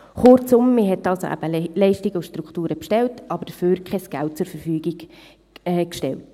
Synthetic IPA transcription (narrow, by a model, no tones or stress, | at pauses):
χʊɾt͡sʊmːɪɦɛtɑlso̰ʔæ̰b̥əlɛɪʃtiɡəʊʃtɾuktuːɾəpʃtɛltʔɑbəɾd̥əføːɾkʰχɛsɡ̥ælt̚t͡sʊɾfəɾfyːɡiɡ̥ | ɛkʃtɛ̰lt